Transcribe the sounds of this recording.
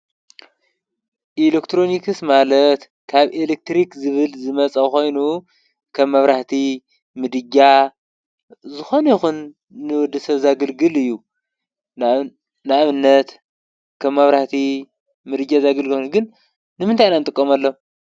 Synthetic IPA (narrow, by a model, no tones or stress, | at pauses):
ʔilekt̪ʰɾo̞nikɨsmalɐt̪ | kʰaβelek̚t̪ɾikzɨβɨlzɨmɐt͡sʼɐko̞jnu | kʰɐβːɐβɾaht̪ʰi | mɨd̪ɨd͡ʒa | zɨxo̞njixunː | ɨwɔd̪ːɨsɐzaɡɨlɡɨlɨjːu | nɨaβɨnːɐt̪ | kʰɐβːaβɾaht̪ʰi | mɨd̪ɨɡazaɡɐlɡɨɡɨn | nɨmɨnt̪ʰajnanɨt̪ʼɨkʼːomalːo